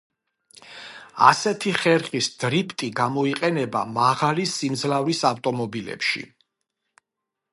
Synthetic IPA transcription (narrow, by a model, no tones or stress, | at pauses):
a̰sɛt̪ʰiχɛɾχisd̪̥ɾipʰt̪ʼiɡamɔiqʼɛnɛba̰maʁalisimd̪zlavɾisaft̪ʼɔmɔbilɛ̰pʃḭ